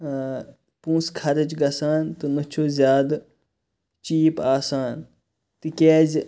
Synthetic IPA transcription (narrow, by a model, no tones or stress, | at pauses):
pũːskʰɐɾɐd͡ʒɡɐsaːnt̪ɨnɨt͡ʃʰoːzʲjaːd̪ | t͡ʃiːpaːsaːn | t̪ɨkeːz